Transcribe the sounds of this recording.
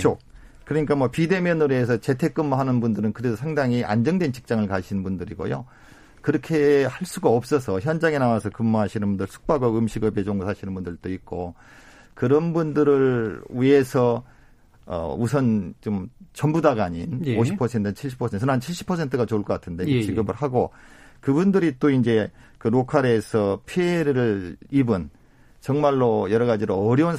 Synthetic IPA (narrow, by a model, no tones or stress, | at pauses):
t͡ɕʰo | kɯɾʌɲik͈amwʌpide̞mjʌnɯɾeːs̬ʰʌt͡ɕe̞tʰe̞k͈ɯmːɦanɯnbundɯɾɯnkɯɾedosʰaŋdaŋiʔa̰nd͡ʑʌŋdwe̞nt͡ɕi̥k̚t͡ɕ͈aŋɯɭkaɕʰinɯnbundɯɾiɡo̰jo̰ | kɯɾʌkʰe̞haɭs͈uɡaʌp̚s͈ʌsʰʌçjʌnd͡ʑaŋenawasʰʌkɯmːoɦaɕʰinɯnbundɯɭsʰu̥k̚p͈aɡoɯmɕʰiɡʌbed͡ʑoŋɡosʰaɕʰinɯnbundɯɭt͈oit̚k͈o | kɯɾʌnbundɯɾɯɭwie̞sʰʌ | ʌ̰usʰʌnt͡ɕomt͡ɕʌmbudaɡaɲḭnoɕʰipʰʌsʰe̞ntʰɯnt͡ɕʰiɭɕʰi̥pʰːʌsʰetsʰnɦant͡ɕʰiɭɕ͈ʰi̥pʰʌsʰe̞ntʰɯɡat͡ɕouɭk͈ʌk͈atʰɯnde̞ɕiɡɯbɯɭhaɡokɯbundɯɾit͈oind͡ʑe̞kɯɾokʰaɾesʰʌpʰeeɾɯɾɯɭibɯn | t͡ɕʌŋmaɭːojʌɾʌɣad͡ʑiɾoʌɾjʌun